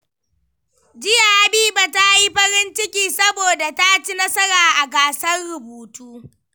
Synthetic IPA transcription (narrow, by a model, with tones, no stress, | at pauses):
d͡ʒɪ˦ja˨ha˨biː˦ba˨ta˦ji˦ɸɐ˦ɾɪ˦nt͡ʃɪ˦kʲiː˨sɐ˦boː˨da˨ta˦t͡ʃi˦nɐ˦sɐ˦ɾaː˨ʔa˨ɡaː˨sɐ˦rɽʊ˨buː˨tuː˦